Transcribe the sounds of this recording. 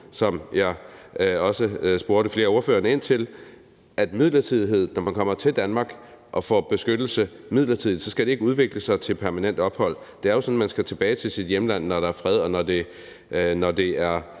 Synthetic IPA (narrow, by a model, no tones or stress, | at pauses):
sɒ̽mjɑ̈ɪɒ̽səsb̥o̝ɐɾ̥əfle̝ːɐo̝ɐføːɐnəe̝n̰t͡sʰe̝l | ʔæd̥mið̞̰ˠlɐt͡sʰið̞̰ˠiɦe̝ð̞̰ˠnɒmænkʰɒ̽m̰ɐt͡sʰe̝ld̥ænmɑ̈ːɡ̥ʔɒ̽fɒ̰b̥e̝sɡ̥ød̥l̩səmið̞̰ˠlɐt͡sʰið̰ˠid̥sɒ̽sɡ̥æd̥e̝e̝ɡ̥əuðˠʋe̝ɡ̥ləsɑ̈ɪt͡sʰe̝lpʰæɐmænen̰d̥ɒ̽b̥hɒ̽l̰ | d̥e̝æɐjo̝sɒ̽n̩mænsɡ̥æt͡sʰe̝b̥ɛːɪt͡sʰe̝sid̥jemlæn̰ːɒɾ̥ɑ̈æɐfʁɛð̞ˠɒ̽nɒd̥e̝ | nɒd̥e̝æɐ